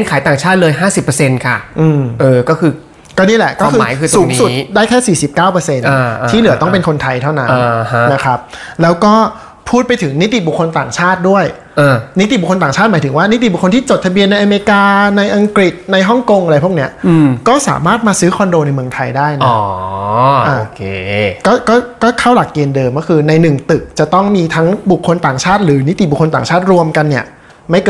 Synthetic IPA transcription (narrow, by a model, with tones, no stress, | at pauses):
e˥˩nkʰaː˨˦jt̪aː˨˩ŋt͡ɕʰaː˥˩t̪̚lɤː˧jɦaː˥˩si˨˩pːə˧se˧nkʰa˥˩ʔɯː˧˩mʔɤː˧kɔː˥˩kʰɯː˧ | kɔː˥˩niː˥˩lɛ˨˩kɔː˥˧kʰɯː˧mː˧˦jkʰɯː˧tssuː˨˧˦n˦su˨˩˦t̪daː˥˩jt̪ʰɛː˥˩siː˨˩si˨˩p̚kaː˥˩wpɤː˧se˧na˧t̪ːʰiː˥˩nɯ˩˦ɐ˦t̪ɔ˥˩ŋpe˧nkʰo˧nt̪ʰa˧jt̪ʰa˥˩wna˦nː˧˩a˦na˦˥kʰɾa˦˥p̚lɛː˦˥wkɔː˥˩ | pʰuː˥˩t̪̚pa˧jt̪ʰɯ˩˦ŋni˦˥t̪i˨˩bu˨˩kʰːo˧nt̪aː˨˩ŋt͡ɕʰaː˥˩t̪̚du˥˩əj | ʔaː˧ni˦˥t̪̬i˨˩bkʰo˧t̪aː˨˩ŋt͡ɕʰaː˥˩t̪maː˩˦jt̪ʰɯ˩˦ŋwaː˥˩ni˦˥t̪i˨˩bu˨˩kʰo˧nt̪ʰiː˥˩t͡ɕo˨˩t̪ʰːa˧bi˧ənːa˧jʔa˧meː˧kaː˧na˧jʔa˧ŋkɾi˨˩t̪̚na˧jɦɔ˥˩ŋko˧ŋʔa˧ɾa˧jpʰu˥˩kni˦˥ɐkɔː˥˩sa̰ː˩˦maː˥˩t̪̚maː˧sɯː˦˥xʰɔ˧ndoː˧na˧jmɯ˧əŋt̪ʰa˧jdaː˥˩jnɔː˦˧˩ | ʔaː˧o˧kʰe˧kɔː˥˩kɔː˥˩kɔː˥˩kʰa˥˩wla˨˩k̚ːeː˧ndɤː˧mkɔː˥˩kʰɯː˧na˧jnɯ˨˩ŋt̪ɯ˨˩k̚t͡ɕa˨˩t̪ɔ˥˩ŋmiː˧t̪ʰa˦˥ŋbu˨˩kʰːo˧nt̪aː˨˩ŋt͡ɕʰaː˥˩t̪̚ɾɯː˩˦ni˦˥t̪i˨˩bu˨˩kʰo˧nt̪aː˨˩ŋt͡ɕʰaː˥˩t̪̚ɾu˧əmka˧nːi˥˩ɐ | ma˥˩jkː